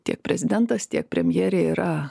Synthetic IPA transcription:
t̪ʲiɛk̚pʲɾʲɛzʲɪd̪ʲɛnt̪ɐst̪ʲiɛk̚pʲɾʲɛmʲjeːɾʲeːiːɾɐ

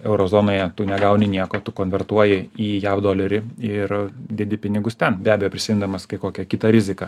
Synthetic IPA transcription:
ɛʊɾoːzoːnoːjɛt̪ʊnʲɛɡɐʊnʲɪnʲiɛkoːt̪ʊkoːnʲʋʲɛrt̪uɔjɪiːjæːʋd̪oːlʲɛɾʲɪɪrd̪ʲiɛd̪ʲɪpʲɪnʲɪɡʊst̪ʲɛnbʲæːbʲɛjoːpʲɾʲɪsʲɪːmʲɪnd̪ɐmɐskɐɪkoːkʲɛkʲɪt̪ɐɾʲɪzʲɪkɑ

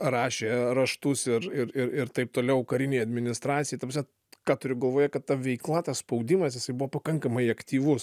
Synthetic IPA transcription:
rɑːʃʲeːɾɐʃt̪ʊsɪɾɪɾɪɾɪɾt̪ɐɪp̚t̪oːlʲɛʊkɐɾʲɪnʲeːjɐd̪ʲmʲɪnʲɪst̪ɾɑːt͡ssʲɪjɛɪt̪ɐpusʲɛ | kɑːt̪ʊɾʲʊɡɐlˠʋoːjɛkɐt̪tɐʋʲɛɪklˠɐt̪ɐsspɐʊd̪ʲɪmɐsjɪsɐɪbʊʋɔpɐkɐŋkɐmɐɪɐkt̪ʲiːʋʊs

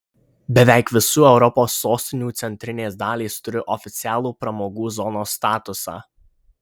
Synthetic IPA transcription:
bʲɛʋʲæˑɪkʋʲɪsuːɛʊɾɔpoːsːoːsʲt̪ʲɪnʲuːt̪sʲɛnʲt̪ʲɾʲɪnʲeːsd̪ɑːlʲiːst̪ʊɾʲɪʔɔfʲɪt̪sʲɪæːlˠuːpɾɐmoːɡuːzɔnoːst̪ɑːt̪ʊsɑ̰ː

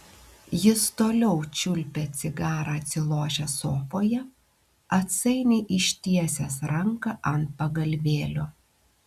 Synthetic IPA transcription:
jɪst̪oːlʲɛʊt͡ʃʲʊlʲpʲɛt̪sʲɪɡɑːɾɑɐt̪ʲsʲɪlˠoːʒʲɛsoːfoːjɛ | ɐt̪sɐɪnʲeːʔɪʃʲt̪ʲiɛsʲɛsɾɐŋkɐʔɐnt̪̚pɐɡɐlʲʋʲeːlʲoː

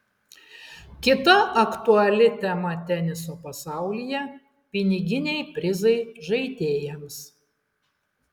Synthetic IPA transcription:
kʲɪt̪ɐʔɐkt̪uɐlʲɪt̪ʲɛmɐt̪ʲɛnʲɪsoːpɐsɑˑʊlʲijɛ | pʲɪnʲɪɡʲɪnʲɛɪpʲɾʲɪzɐɪʒɐɪt̪ʲeːjɛms

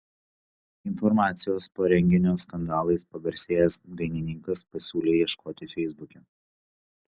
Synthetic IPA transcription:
ɪnfɔɾmɑːt̪sʲɪjoːspoːɾʲɛŋʲɡʲɪnʲoːskɐnd̪ɑːlˠɐɪspɐɡɐɾʲsʲeːjɛsd̪ɐɪnʲɪnʲɪŋkɐspɐsʲuːlʲeːiɛʃkoːt̪ʲɪfʲɛɪzbʊkʲɛ

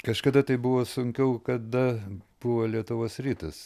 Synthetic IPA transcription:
kɐʃkɐd̪ɐt̪ɐɪbʊʋoːsʊŋʲkʲɛʊkɐd̪ɐb̥ʊʋoːlʲiɛt̪ʊʋoːsɾʲiːt̪ɐs

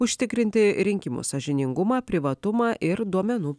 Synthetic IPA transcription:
ʊʃʲt̪ʲɪkɾʲɪnʲt̪ʲɪɾʲɪŋʲkʲɪmṵsɐʒʲɪnʲɪŋɡʊmɑːpʲɾʲɪʋɐt̪ʊmɑːʔɪɾd̪uɔmʲɛnuː

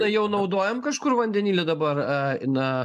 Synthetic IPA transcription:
ɐjɛʊnɐʊd̪oːjɛmkɐʃkʊɾʋɐnʲd̪ʲɛnʲiːlʲed̪ɐbɐrnɐ

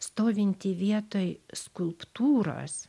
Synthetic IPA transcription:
st̪oːʋʲɪnʲt̪ʲɪʋʲiɛt̪oːjskʊlˠpt̪uːɾɐ̰s

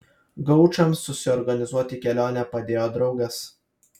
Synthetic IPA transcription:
ɡɐʊt͡ʃɐmsːʊsʲɪɔɾɡɐnʲɪzuɔt̪ʲɪkʲɛlʲoːnʲɛpɐd̪ʲeːjoːd̪ɾɐʊɡɐs

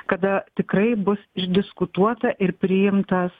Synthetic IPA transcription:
kɐd̪ɐt̪ʲɪkrɐɪbʊsɪʒʲd̪ʲɪskʊt̪uɔt̪ɐʔɪɾpʲɾʲɪjɪmt̪ɐs

